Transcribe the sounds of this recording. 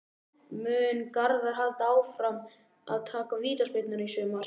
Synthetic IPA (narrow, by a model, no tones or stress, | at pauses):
mʏːnkaɾðaɾ̥ɦalt̪aːwfɾam | a̰ðt̪ʰaːkaviːt̪aspejt̪nʏɾaisʏːmar̥